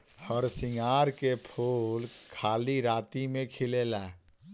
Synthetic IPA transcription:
həɾsɪŋɡaːɾkepʰuːlkʰaːliɾaːt̪imẽkʰɪleːlaː

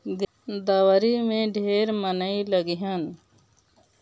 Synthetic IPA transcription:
d̪ | d̪əwɾimẽɖʱeːɾmənəiləɡiɦən

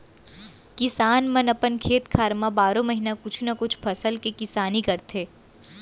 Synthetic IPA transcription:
kɪsaːnmɐnɐpənkʰeːt̪kʰaːɾmabaːɾõmɐɦinakʊt͡ʃʰnɐkʊt͡ʃʰpʰɐsəlkekɪsaːnikɐɾt̪ʰeː

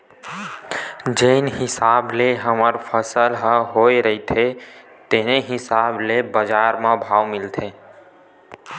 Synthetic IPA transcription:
d͡ʒenɦɪsaːbleɦəməɾpʰəsəlɦəɦoːeɾəɦit̪ʰe | t̪eneɦɪsaːblebəd͡ʒaːɾmãbʱaːʋmɪlt̪ʰeː

